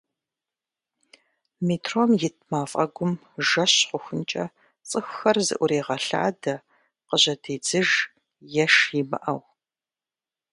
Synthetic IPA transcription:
miːtʰromjɪt̚ʰmaːfʼɐɡʷʊm | ʒɐɕqʷʊxʷʊnt͡ʃʼɐ | t͡sʼɨxːɐrzɨ̰ʔʷʊreːʁɐɬa̰ːdɐ | qəʑɐdʰeːd͡zɨʒ | jɛʃjibɐ̰ʔɐw

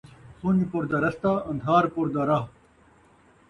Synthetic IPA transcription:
sund͡ʑpuɾd̪ɐɾɐst̪aɐ̃nd̪ʱaːɾpuɾd̪ɐɾɐɦ

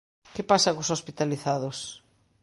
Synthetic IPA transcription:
kepasakosospit̪aliθaðos

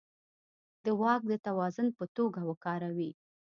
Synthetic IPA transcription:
d̪̥əwɑk̚d̪ət̪awɑzʊnpət̪oɡawəkɑɾawi

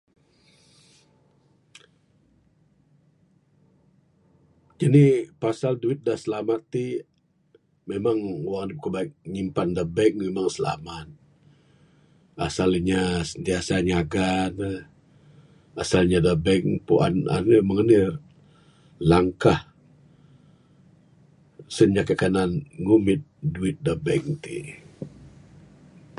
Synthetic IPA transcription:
d͡ʒanipasalduɪt̪̚dahsəlamat̪ːi | memaŋwaŋnip̚kəbaɪk̚ɲimpandabɛŋ̚memaŋsəla̰mat̪̚ | asaliɲasənt̪iasaɲaɡanə | asalɲadəbɛŋpuʔa̰na̰nəməŋənɪr | laŋkah | səɲd͡ʒakakananŋumɪt̪̚duɪt̪̚dəbɛŋt̪ḭ

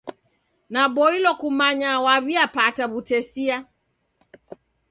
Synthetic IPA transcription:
naɓɔilɔkumaɲawaβiapataβutɛsia

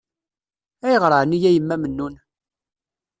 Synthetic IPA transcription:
æjəʁɾəʕənijæjəmːæmənːun

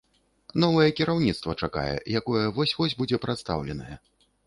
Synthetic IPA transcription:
nɔvɐjɛkʲiɾawnʲit̪st̪vɐt͡ʂaka̰jɛ̰jakɔjɛvɔsʲvɔsʲbud͡zʲɛpɾat̪st̪a̰wlʲɛnɐjɛ

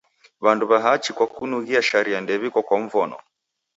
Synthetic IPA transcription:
βanduβaɦat͡ʃikwakunuɣiaʃaɾiandɛβikɔkwaɱ̩vɔnɔ̰

